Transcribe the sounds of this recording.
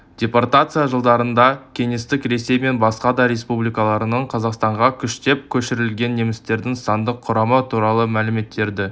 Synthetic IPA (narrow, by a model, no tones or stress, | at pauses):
d̪̥ʲe̞port̪at̪sɨjaʒəlˠd̪ɑɾənd̪ɑkʲʰe̞ŋe̞st̪ɪkɾe̞se̞jme̞nbɑsqɑd̪ɑɾʲe̞spublijkɑlˠɑɾənəɴqʰɑzɑqst̪ɑɴʁɑkʲʰʏʃt̪e̞p̚kʲʰɵʃɪɾɪlɡʲe̞nːe̞mɪst̪e̞ɾd̪ɪŋsɑnd̪əqʰːʊɾɑmət̪ʰuɾɑlˠəmælɪme̞t̪ʰːe̞ɾd̪ɪ